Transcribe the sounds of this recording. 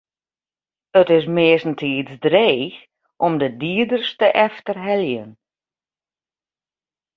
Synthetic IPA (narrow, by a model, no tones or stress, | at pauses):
ətɪs̬mɪəsn̩tʰiːt͡sdreːx | ʔɔmdədiədərstəʔɛftərɦɛljən